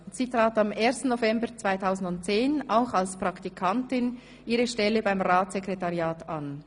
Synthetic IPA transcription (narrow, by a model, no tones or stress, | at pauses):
siːtʁ̥aːtameːɐstn̩ːofɛmbət͡sv̥aɪtʰaʊzn̩dʊnt̚t͡seːnaʊxalspʁɑktikʰantɪn | ʔiːɾəʃtɛləbaɪmʁaːtsekʁetaʁjaːtan